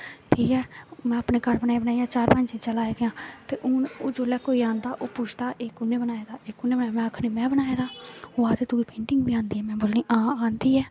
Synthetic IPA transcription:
ʈʰiːkɛːmɛ̃ːəpneːkəɾbənaːeːbənaːijaːt͡ʃaːɾpəɲd͡ʒeːt͡ʃəlaːed̪ejãːt̪eːʔʊoːd͡ʒoːlɛːkoːiːãːnd̪aːʔoːpʊːt͡ʃʰd̪aːʔeːkʊnːẽːbənaːeːd̪aːeːkʊneːbənaːemɛ̃ːakʰniːmɛ̃ːbənaːed̪aːoːaːt̪eːt̪ʊːiːpẽːɳʈɪŋɡbiːãːnd̪iːɦɛːmɛ̃ːboːlniːʔãːaːnd̪iːɛː

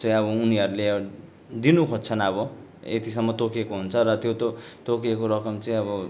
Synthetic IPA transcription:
t͡sʌĩʌβʌuniʌɾule | d̪inukʰort͡sʰʌnʌβʌ | ḛt̪isʌmːʌt̪okekoɦunt͡sʰʌɾʌt̪jot̪ot̪okekoɾʌkʌmt͡sʌĩʌβʌ

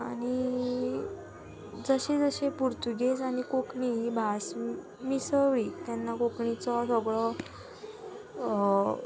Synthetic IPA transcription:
aɽ̃i | d͡zəɕed͡zəɕepuɾt̪uɡet͡saɽ̃ikokɳibʱas | misəʋit̪janːakokɳit͡sɔsɔɡɭɔ

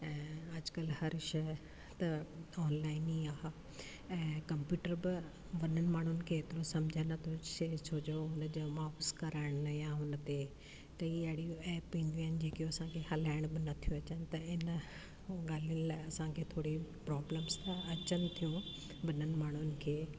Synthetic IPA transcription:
ɛ̃ːɐd͡ʑkɐlhɐɾʃɐ | t̪ɐɔːnlaːɪniːaɦa | ɛ̃ːkɐ̃mpjuːʈəɾbɪ | ʋɐnənɪ̆maːɳ̤ʊnɪ̆kʰeːt̪ɪɾosɐmd͡ʑʱanɐt̪ʰoset͡ɕʰoːd͡ʑoʊnd͡ʑomaːfʊskɐɾaːɪɽ̃jãʊnt̪e | kɐiɐɦɪɽijũɛːpːĩːnd̪iaːɪnɪd͡ʑeːkijoɐsãkʰehɐlaːɪɽ̃bɪnɐt̪ʰijũɐt͡ɕənɪ̆t̪ɐɪn | ɡaːl̤iʊnɪlaːɪɐsãkʰeːt̪ʰoːɽipɾɔːbləmst̪aɐt͡ɕənɪ̆t̪ʰijũ | ʋɐnənɪ̆maːɳ̤̃ʊnɪ̆kʰeː

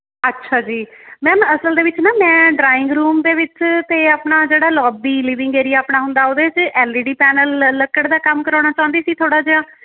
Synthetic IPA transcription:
ətːʃʰaːd͡ʒiːmɛ̃ːməsəld̪eːʋɪt͡ʃnaːmɛ̃ːɖɾaːɪ̃ŋɡɾuːmd̪eːʋɪt͡ʃt̪eːaːpɳaːd͡ʒeːɽaːlɔːbiːliːʋɪ̃ŋɡeːɾiːaːpɳnaːɦʊ̃nd̪aːoːd̪eːt͡ʃɛːliːɖiːpɛːnəlːəkəɽd̪aːkəmkəɾãːɽ̃aːt͡ʃãːʊ̃nd̪iːsiːt̪ʰoːɽaːd͡ʒeãː

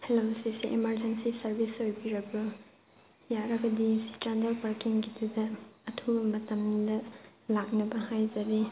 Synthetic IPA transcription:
helosisiʔimɐɾd͡ʒensisɐɾbʱisojbiɾɐbɐ | jaɾɐɡɐdisi̥t͡ʃandɐlpɐɾkiŋɡidudɐːtʰubɐmɐtɐmdɐ | lak̚nɐbɐhajzɐɾi

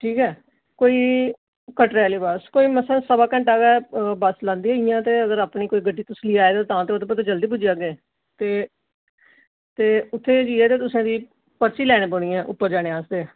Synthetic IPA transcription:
ʈʰiːkɛː | koːiː | kəʈɾɛːliːbaːskoːiːməsɛ̃ːsəbaːkə̃ɳʈaːɡɛːbəslãːnd̪iːɦɛːɪjãːt̪eːəɡəɾaːpniːkoːiːɡəɖiːt̪ʊsliːaːeːd̪aːt̪ãːt̪eːot̪ʰːep̬ət̪eːd͡ʒəld̪iːpʊd͡ʒijaːɡeː | t̪eː | t̪eːʊt̪ʰːeːd͡ʒiːɛːt̪eːt̪ʊsãːd̪iː | pəɾsiːlɛːɽ̃eːboːɽĩːɛ̃ːʔʊ̰pːəɾd͡ʒaːɽ̃eːaːsd̪eː

